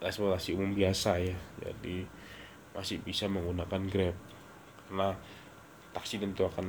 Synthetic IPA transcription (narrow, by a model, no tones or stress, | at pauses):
ɛkspɔrt̪asiumʊmbiasajad͡ʒa̰di | masɪhbisaməŋɡunakanɡɾɛp̚ | karna | t̪aksit̪ənt̪uakan